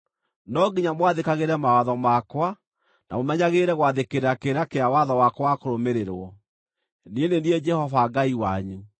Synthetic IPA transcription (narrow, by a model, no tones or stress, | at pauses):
nɔɡiɲamwaðekaɣeɾɛmawaðɔmakwa | na̰momɛɲaɣeɾɛɣwaðekeɾeɾakeɾakeawaðɔwakwakoɾomeɾeɾwɔ | nieneniɛd͡ʒɛhɔvaɡaiwaɲu